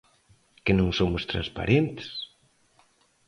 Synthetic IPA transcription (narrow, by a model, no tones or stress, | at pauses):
kenõŋsomʊst̪ɾa̰nspa̰ɾʔent̪e̥s